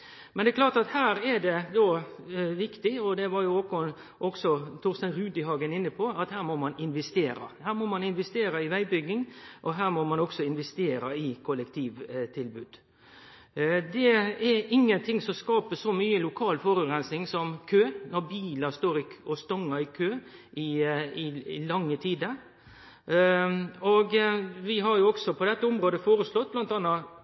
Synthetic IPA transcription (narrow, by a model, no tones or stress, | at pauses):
mɛnd̪ɛklɑːt̪ɑt̪hæːɾɛd̪ɛd̪ɔ | ʋɪkt̪ɪɔd̪ɛʋɑɾjʊɔkːɔ | ʔɔksɔt̪ʰʊɾst̪ɑnɾʉːd̪ɪhɑːɡənɪnːəpʰɔɑt̪hæːɾmɔmɑnɪnʋɛst̪eːɾɑ̰hæːɾmɔmɑnɪnʋɛst̪eːɾɑɪʋæɪbʏɡːɪŋʔɔɦæːɾmɔmɑnɔksɔɪnʋɛst̪eːɾɑɪkʰʊlːɛkt̪ʰiːʋt̪ʰɪlbʉːd̪ | d̪ɛɛɪŋːənt̪ʰɪŋsɔmskɑːpəsɔmyːəlʊkʰɑːlfɔɾʉɡɾɛnsnɪŋsɔmkʰøːnɔɾbiːlɑst̪oːɾɪɔst̪ɔŋːɑɪkʰøː | ʔɪɪɪ̰lɑŋːət̪ʰiːd̪əɾ | oɡʋɪɦɑɾjʊɔɡsɔpʰɔd̪ɛt̪ːəʊmɾoːd̪əfoːɾəslɔt̪̚ːblɑnt̪ɑnːɑ